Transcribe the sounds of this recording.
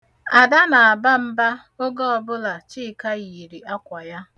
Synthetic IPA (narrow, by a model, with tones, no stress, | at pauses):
a˨da˦na˨a˨ba˦m̩˦ba˦ | o˦ɡɔ˦ɔ˨bʊ˦la˨t͡ʃi˦˨ka˦ɣi˨ɾi˨a˦kʷa˨ja˦